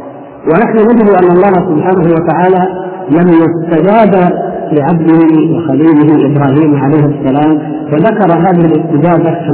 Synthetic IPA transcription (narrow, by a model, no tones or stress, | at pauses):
wɪnaħnʊnad͡ʒɪd̪ʔanːɑlˤːɑːhsʊbħaːnaɦuwat̪aʕaːlalamjast̪ad͡ʒaːd̪alɪʕabd̪ɪhɪwɪxaliːlɪɦɪʔɪbɾˤɑːɦiːmʕalajhsːalaːm | faðakɑɾˤɑɦaːðɪhɪlɪst̪ɪd͡ʒaːd̪af